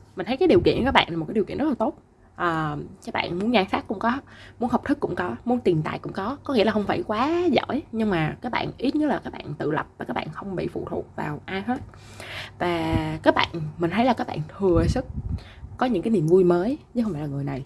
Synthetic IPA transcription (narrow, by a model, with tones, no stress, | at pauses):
mï˨˩ŋʰ˨˦kːɗi˨˩əkḭ˧˨nkaː˦˥k̚a̰ː˧˨nla˨˩m˨˩t̚kːi˩kḭ˧˨nz̥laː˨˩o˦˥t̚ | ʔəː˨˩kaː˦˥k̚ɓa̰ː˧˨nmu˨˦ənzaː˧ŋsaː˦˥k̚ːʊ̰˧˥ŋ͡mkɔ˨˦mu˨˦ənɦə˨˩k͡p̚t̪ɨ˦˥kːʊ̰˧˥ŋ͡mkɔ˨˦mu˨˦ənt̪i˨˩nt̪a̰ː˧˨jkʊ̰˧˥ŋ͡mkɔ˨˦kɔ˨˦ŋi˧˥laː˨˩xə˧wŋ͡mfaː˧˩jkwaː˨˦zə̰˧˥˨jɲɨ˧ŋmaː˨˩kaː˦˥k̚ɓa̰ː˧˨nʔi˦˥t̚ɲə˦˥t̚laː˨˩kaː˦˥k̚ɓa̰ː˧˨nt̪ɨ̰˧˨lə˨˩p̚vaː˨˩kaː˦˥kɓa̰ː˧˨xə˧wŋ͡mɓḭ˧˨fṵ˧˨t̪ʰṵ˨˩ək̚va̰ː˨˩wʔaː˧jɦəː˦˥t̚ | vaː˨˩kaː˦˥k̚ɓa̰ː˧˨nmï˨˩ŋʰə˨˦jlaː˨˩kaː˦˥k̚ɓa̰ː˧˨nt̪ʰɨ˨˩əsɨ˦˥k̚kːɔ˨˦ɲɨ̰˧˥ŋkaː˨˦jni˨˩ənvu˧jməː˨˦jɲɨ˧˦˥xŋ͡mfaː˧˩lːaː˨ŋɨ˨˩əjna˨˩j